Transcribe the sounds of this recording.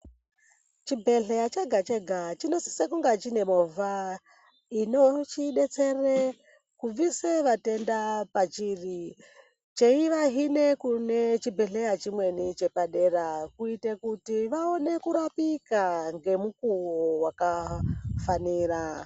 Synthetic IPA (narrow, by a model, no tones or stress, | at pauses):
t͡ʃibʱe̞ɮe̞jat͡ʃeɡʱat͡ʃeɡʱat͡ʃino̞si̥sekuŋɡat͡ʃine̞mova | ino̞t͡ʃiɗe̞t͡sere | kuviseʋate̞ndapat͡ʃiri | t͡ʃeiʋaɦine̞kunet͡ʃibʱe̞ɬejat͡ʃimwe̞nit͡ʃe̞paɗe̞rakuitekutiʋaone̞kuɾapikaŋɡe̞mukuwowakafaniːra